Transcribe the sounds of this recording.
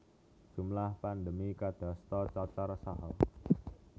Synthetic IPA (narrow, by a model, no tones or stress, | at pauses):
d̥ʒ̥ṳmlahpand̪əmikad̪̥a̤st̪ɔt͡ʃɔt͡ʃaɾɔsaɦɔ